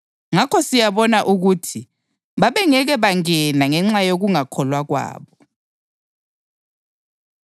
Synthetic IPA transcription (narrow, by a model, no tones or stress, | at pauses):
ŋakʰɔsijaβɔnaʔuɣutʰi | βaβɛŋɛɣɛβaŋɛnaŋɛŋ͡ǁajoɣuŋakʰɔlwaɣwa̰ːβɔ